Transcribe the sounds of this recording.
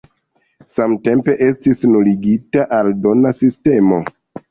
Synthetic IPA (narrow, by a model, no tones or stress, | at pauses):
samte̞mpe̞ʔe̞stisnuliɡitaʔaldo̞nasiste̞mo̞